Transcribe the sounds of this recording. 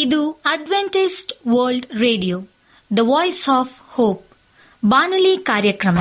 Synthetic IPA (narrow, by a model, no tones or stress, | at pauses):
id̪uɐɖʋeɳʈisʈʋəːɾlɖɾeːɖijoː | d̪ɐʋɔːjsɔːfhoːp̚ | baːnuliːkaːɾjɐkɾɐmɐ